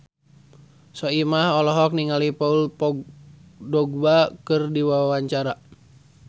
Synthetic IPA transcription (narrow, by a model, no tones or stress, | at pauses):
sɔimahɔlɔɦɔk̚niŋalipaulpɔɡdɔɡ̚bakɨrdiwawaɲt͡ʃaɾa